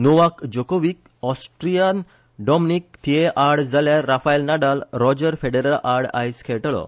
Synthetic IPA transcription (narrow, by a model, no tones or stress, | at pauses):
noʋakd͡ʑokoʋik | ɔsʈɾijan | ɖɔmnikt̪ieʔaɾɽd͡zaljaɾafajlnaɖalɾɔd͡ʑəɾfeɖeɾəlaɾɽa̰jskʰeʈɭɔ̰